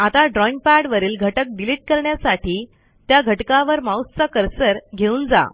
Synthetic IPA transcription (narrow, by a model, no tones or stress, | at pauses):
at̪aɖɾɔinpaɽʋəɾiːlɡʱəʈək̚ɖiliʈ̚kəɾɳjasaʈiː | t̪jaɡʱəʈkãʋəɾmawst͡sakəɾsəɾɡʱeuːnd͡za̰